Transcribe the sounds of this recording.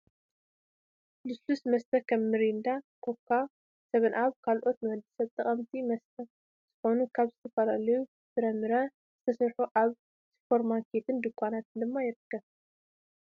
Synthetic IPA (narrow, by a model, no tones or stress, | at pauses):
lɨslusmɐst̪ʰɐkʰɐmːɨɾind̪akʰokʰːa | sɐβɨnʔaβkʰalʔo̞t̪nɨhɐd̪ɨsɐβt̪ʼɐχʼɐmt̪ʰimɐst̪ʰɐ | z̥ɨxo̞nukʰaβzɨt̪ʰɐfɐlalɐju | tʰɨɾɐmːɨɾɐ | z̥ɨt̪ʰɐsɐɾħuʔaβ | sfoɾmakʰet̪ʰɨnd̪ɨkʷʰːanat̪ɨnd̪ɨmːajɪɾɨkʰːɐβ